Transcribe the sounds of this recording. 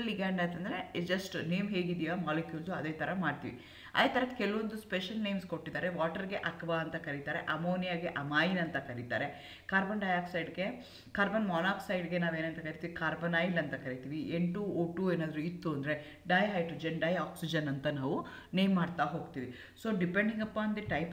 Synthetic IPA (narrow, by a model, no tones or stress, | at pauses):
lliɡaːɳɖɐnt̪ɐnd̪ɾed͡ʒɐsʈneːmɦeːɡid̪ijamaːlekjuːlsuɐd̪eːt̪ʰɐɾɐmaːɖt̪ḭʋḭ | ɐ̰d̪eːt̪ʰɐɾɐkɛlɐʋond̪uspeʃɐlne̞jmsko̞ʈːid̪aːɾeʋaːʈɐɾiɡe̞ʔɐkbaɐnt̪ɐkɐɾit̪aːɾeʔɐmoːnijaɡeʔɐmaːjinɐnt̪ɐkɐɾit̪a̰ːɾe̞ | kaːɾbɐnɖɐjaːksɐjɖɡe̞ | kaːɾbɐnmaːnaːksɐjɖɡe̞naːʋeːnɐnt̪ɐkɐɾit̪iːʋikaːɾbɐnaːjilːɐnt̪ɐkɐɾit̪iːʋieɳʈuoːʈueːnaːd̪ɐɾuit̪ːuɐnd̪ɐɾe̞ | ɖɐjɦɐjʈɾud͡ʒɐnɖɐjaːksid͡ʒɐnɐnt̪ɐnaːʋu | nejmːaːɖt̪aɦo̞ːɡt̪iːʋi | soːɖipeɳɖiŋɡɐpːaːnd̪iʈɐjp